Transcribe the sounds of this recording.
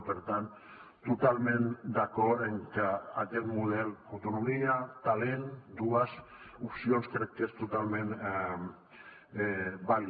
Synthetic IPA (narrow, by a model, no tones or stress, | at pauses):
beɾt̪an | t̪ot̪almend̪akoɾeŋkaaʎeɾmuðelawt̪onomiat̪alend̪uas | upsionskɾek̚t̪est̪ot̪almen | bal